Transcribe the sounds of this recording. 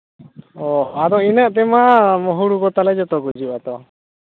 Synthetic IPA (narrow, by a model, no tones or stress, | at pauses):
ɔad̪ɔinaʔt̪ɛmamɔɦuɽukɔt̪alɛd͡ʒɔt̪ɔɡud͡ʒuʔat̪ɔ